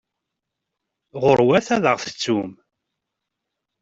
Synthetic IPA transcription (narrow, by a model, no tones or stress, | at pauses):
ʁʊɾwæθæðəʁθə̥t͡sːum